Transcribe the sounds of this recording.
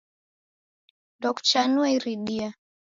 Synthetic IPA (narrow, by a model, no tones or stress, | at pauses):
dɔkt͡ʃanuɛiɾiɗia